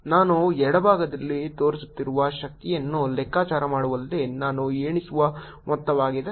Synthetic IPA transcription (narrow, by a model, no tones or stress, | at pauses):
naːnuɛɽɐbʱaːɡɐd̪ɐlːit̪o̞ːɾisu̥t̪ːiɾuʋɐʃɐk̚t̪ijɐnːulɛkːaːt͡ʃaːɾɐmaːɽuʋɐlɐd̪enaːnueːɳisuʋɐ | mʔɔt̪ːɐʋaːɡid̪e